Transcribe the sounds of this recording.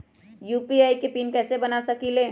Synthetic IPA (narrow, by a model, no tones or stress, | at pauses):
juːpiaːikepiːnkɛːsebɐnasɐkilẽː